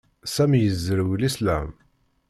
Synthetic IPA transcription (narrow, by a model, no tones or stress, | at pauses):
sæmjəzːəɾwlislæ̰m